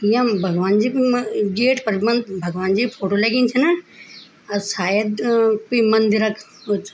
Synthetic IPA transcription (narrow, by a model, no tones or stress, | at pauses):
jãbʱɐɡʋaːnd͡ʒiːɡeːʈpɐɾmɐbʱɐɡʋaːnd͡ʒiːpʰoːʈoːleɡĩːnt͡ʃʰɐnɐ | ɐsaːjəd̪pimɐnd̪iɾɐkʰ | ɦoːt̪ʰ